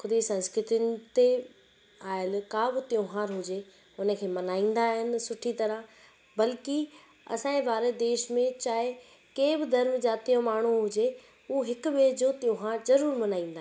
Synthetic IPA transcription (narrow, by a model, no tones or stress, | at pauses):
xʊd̪isɐ̃nskɾɪt̪ʊnɪ̆t̪e | aːɪlkabɪt̪jõɦaːɾɦʊd͡ʑe | ʊnə̆kʰeːmɐnaːĩːn̆d̪aːɦɪnɪ̆sʊʈʰit̪ɐɾə | bɐlki | ɐ̰sãːẽʋaːɾed̪eːʃmẽt͡ɕaːɦɪ | keːbɪd̪ɐɾmd͡ʑaːt̪ijõmaːɳ̤uɦʊd͡ʑe | uɦɪkʊbeːd͡ʑoːt̪jõːɦaːɾzɐɾuːɾmɐnaːĩːn̆d̪aː